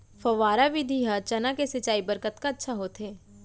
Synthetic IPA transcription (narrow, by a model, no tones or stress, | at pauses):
fɐʋaːɾaʋɪd̪ʱiɦat͡ʃɐnakesɪt͡ʃaːibəɾkət̪kaɐtːʃʰaɦoːt̪ɦeː